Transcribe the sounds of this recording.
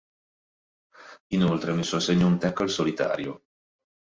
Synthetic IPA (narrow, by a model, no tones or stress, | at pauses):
inolt̪ɾemisːɔaseɲːount̪ɛkːalsolit̪a̰ːɾjo